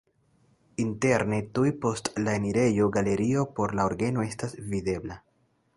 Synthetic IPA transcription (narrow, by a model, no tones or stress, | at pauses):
inte̞ɾne̞tujpo̞stlaeniɾe̞joɡale̞ɾio̞po̞ɾlaoɾɡe̞no̞e̞stasvide̞bla